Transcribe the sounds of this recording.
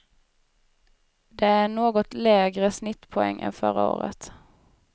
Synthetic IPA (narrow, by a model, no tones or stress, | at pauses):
d̪eːæɳoːɡɔt̪leːɡɾəsnɪt̪ːpʰɔɛ̰ŋːʔɛ̰nfœ̰ɾə̰o̰ːɾə̰t̪